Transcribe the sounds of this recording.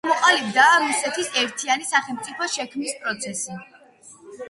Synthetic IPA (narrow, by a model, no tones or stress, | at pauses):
mɔqʼalib̚d̪aɾusɛt̪ʰisɛɾt̪ʰianisaχɛlˠmt̪sʼipʰɔʃɛkʰmnispʼɾɔt̪sʰɛsi